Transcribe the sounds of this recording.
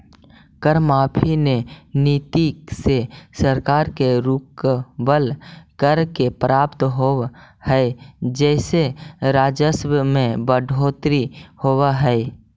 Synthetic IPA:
kəɾmaːpʰineniːt̪iksesəɾkaːɾkeɾuːkbəlkəɾkepɾaːpt̪ɦohɛd͡ʒɛːseɾaːd͡ʒəswəmẽbəɖʱoːt̪ɾihowaɦɛɛ

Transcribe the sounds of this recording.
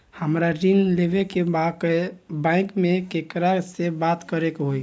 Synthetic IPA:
həmɾaɾinlebekebakbãɪ̃kmekekɾasebat̪kəɾekɦoj

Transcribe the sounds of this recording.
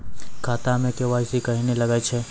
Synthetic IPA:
kʰaːt̪amẽkeʋaːisikɐɦinelɐɡat͡ʃʰeː

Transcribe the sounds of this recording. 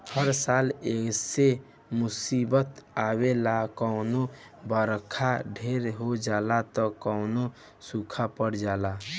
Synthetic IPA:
həɾsalekse | mʊsibət̪awelakəʊno | bəɾkʰaɖʱeɾɦod͡ʒalat̪ɔkɔʊno | sukʰapəɽd͡ʒala

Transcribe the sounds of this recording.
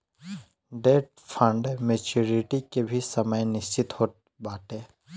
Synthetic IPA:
ɖeːʈ̚ | pʰə̃ɳɖemeːt͡ʃuːɾɪʈikebʱisəməjnɪst͡ʃɪt̪hoːt̪ | baːt̪e

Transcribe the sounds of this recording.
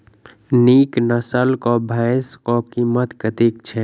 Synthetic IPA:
niːknəsəlkɔbʱaːskɔːp̚kimət̪kət̪iːk̚t͡ʃʰɛ

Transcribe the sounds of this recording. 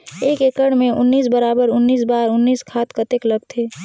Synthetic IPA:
eːkeːkəɽmẽʔʊnːiːsbəɾaːbəɾʊnːiːsbaːɾʊnːiːskʰaːt̪kət̪ekləɡ̚t̪ʰeː

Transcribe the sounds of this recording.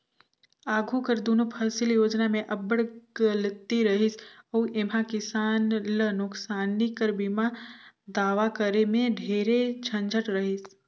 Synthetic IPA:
aːɡʱukəɾd̪oːnopʰəːsɪljoːd͡ʒnamẽʔɐbəɽɡ̥əlɪt̪iɾɐɦɪsəːʔemãkɪsaːnlənʊksaːnikəɾbimad̪aːʋakəɾemẽɖʱeːɾed͡ʒʰə̃nd͡ʒʱəʈɾəɦɪs

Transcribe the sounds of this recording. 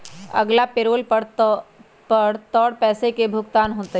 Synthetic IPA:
ɐ̰ɡlapeɾoːlpəɽ | pɐɽt̪ɔːɽpɛːsekebʱʊɡt̪aːnɦoːt̪e

